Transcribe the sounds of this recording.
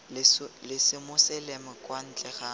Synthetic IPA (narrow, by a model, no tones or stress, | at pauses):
lɪsɪmʊsɛlemʊkʼwan̩t͡ɬʼɛχa